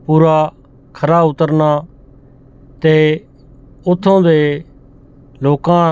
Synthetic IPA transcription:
puːɾaː | kʰəɾaːʊt̪əɾnaː | t̪eː | ʊt̪ʰːõːd̪eː | loːkãː

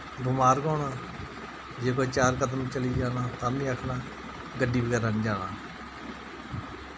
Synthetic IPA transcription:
ɡʊmaːɾɡɔ̃ːɳaː | d͡ʒeːkoːt͡ʃaːɾkəd̪əmːt͡ʃəliːd͡ʒaːnaːt̪ãːmĩːəkʰnãː | ɡəɖːiːbəɡɛːɾənːd͡ʒaːnaː

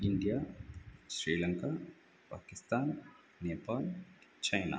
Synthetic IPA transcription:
iɳɖijaːsɾiːlɐŋkaː | paːkist̪aːn | nɛːpaːlt͡ʃɐjna̰ː

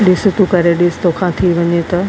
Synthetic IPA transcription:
ɗɪsʊt̪ukɐɾeɗɪst̪okʰãt̪ʰiʋɐɲet̪ɐ

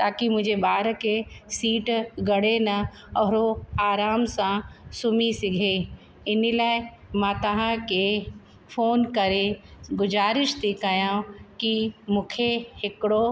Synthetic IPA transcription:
t̪aːkimʊ̃ɦɪ̃d͡ʑebaːɾkesiːʈɡɐɽenɐ | ɔːɾoaːɾaːmsãsʊmisɪɡʱe | ɪnilaːɪ | mãːt̪ɐɦãke | foːnkɐɾeɡʊzaːɾɪʃt̪ʰikɐjãːkimʊ̃ːkʰehɪkɪɽo

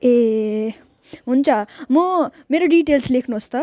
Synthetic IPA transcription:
e | ɦunt͡sʰamʌmeɾoɖiʈelslekʰnuɦost̪ʌ

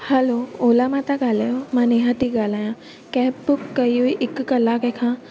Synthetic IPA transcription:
hɐlooːlamãt̪aɡaːlajomãneːɦãt̪iɡaːlaːjã | kɛːpbʊkːɐjuiʔɪkːɐlakekʰãː

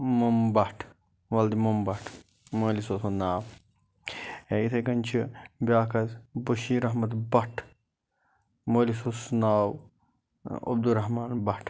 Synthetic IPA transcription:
mɐmbɐʈʰ | ʋɐld̪imombɐʈʰ | moːlisosʰonaːw | eit̪ʰɐɡɐnt͡ʃʰibʲaːkɐzboʃiːɾɐɦmɐt̪bɐʈʰ | moːlisosnaːw | ɐ̰b̚d̪uɾɐɦmaːnbɐʈʰ

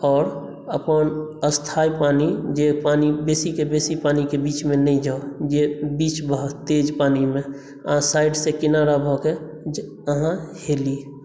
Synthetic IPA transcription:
ɔːɾ | əpənəst̪ʰaipaːnid͡ʒepaːnibesikebesipaːnikebit͡ʃmẽnəĩd͡ʒaod͡ʒebit͡ʃbʱat̪ed͡ʒpaːnimẽ | əɦãsaɪɖsekɪnaɾabʱɔke | əɦãheli

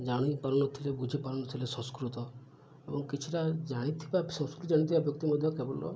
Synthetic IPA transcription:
d͡ʒaɽ̃ipaɾɔnɔt̪ʰilebud͡ʒʱipaɾɔnɔt̪ʰilesɔ̃skɾut̪ɔ | ebɔŋkit͡ʃʰiʈad͡ʒaɽ̃it̪ʰibasɔ̃skɾut̪ɔd͡ʒaɽit̪ʰibabjɔk̚t̪imɔd̪ʱjɔkebɔlɔ̰

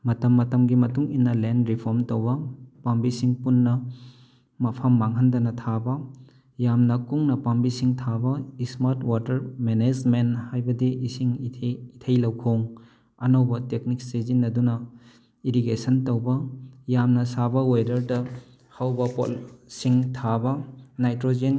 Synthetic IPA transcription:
mɐtɐmːɐtɐmɡimɐtuŋinːɐlendɾipʰoɾmtowbɐpambisiŋpunːɐ | mɐpʰɐmːaŋɦɐndɐnɐtʰabɐ | jamnɐkuŋnɐpambisiŋtʰabɐismaɾtwatɐɾmened͡ʒmenthajbɐdiʔisiŋʰitʰɐjlɐwkʰoŋ | ɐnowbɐtek̚nik̚sezinːɐdunɐ | iɾiɡesɐntɐwbɐjamnɐsabɐojdɐɾdɐ | hawbɐpo̰lsiŋtʰabɐnajtɾod͡ʒen

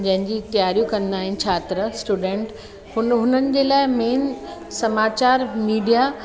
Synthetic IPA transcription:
d͡ʑɐ̃ɦɪ̃ɲd͡ʑit̪ijaːɾijũkɐ̃nd̪aːɦɪnɪ̆t͡ɕʰaːt̪ɾəsʈuːɖẽːɳʈ | hʊnɦʊnənɪ̆d͡ʑeːlaːɪmeːnsɐmaːt͡ɕaːɾmiːɖija

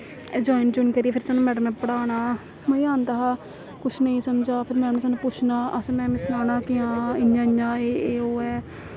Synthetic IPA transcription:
d͡ʒoːɪnd͡ʒʊnkəɾiːpʰɪɾsaːnːũːmɛːɖəmɛ̃ːpəɽaːɽ̃aː | məĩːaːnt̪aɦaː | kʊt͡ʃʰnəĩːsəmd͡ʒaːpʰɪɾmɛːɖəmɛ̃saːnũːpʊt͡ʃʰnaːʔəsmɛ̃ːmɪsnaːnãːkɪãːɪjãːɪjãːeːoːɛː

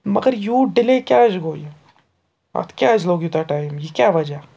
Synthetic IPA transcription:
mɐɡəɾjuːɖɪlekjaːd͡ʒɡoːje | a̰t̪ʰkʲjaːd͡ʒloːɡjut̪aʈaːɪmjekjaːʋɐd͡ʒəɦ

